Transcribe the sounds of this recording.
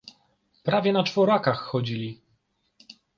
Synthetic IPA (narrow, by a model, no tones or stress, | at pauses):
pɾavʲjɛnat͡ʂfɔɾakaxːɔd͡ʑilʲi